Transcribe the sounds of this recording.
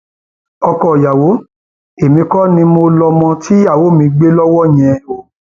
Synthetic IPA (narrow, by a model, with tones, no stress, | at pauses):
ɔ˧kɔ˦˨ja˨wo˨˦ | e˨mĩ˨˧˦kɔ˦nĩ˧mo˧lɔ˧mɔ̃˧tʰi˦ja˦˨wo˨˦mĩ˧ɡ͡be˦lɔ˦wɔ˦˨j̃ɛ̃˧o˨